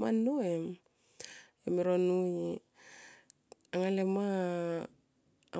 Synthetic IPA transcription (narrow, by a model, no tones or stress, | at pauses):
a̰nːoem | emiɾonui | aŋalema